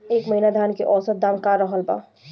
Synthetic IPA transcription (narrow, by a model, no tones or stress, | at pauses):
eːkməɦinad̪ʱjaːnkeʔɔːsət̪̚d̪aːmkaɾəɦəlba̰ː